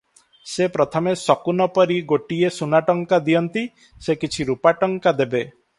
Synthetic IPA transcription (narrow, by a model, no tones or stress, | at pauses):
sepɾɔt̪ʰɔmesɔkunɔpɔɾiɡoʈiesunaʈɔŋkad̪ijɔnt̪i | sekit͡ʃʰiɾupaʈɔŋkad̪ebe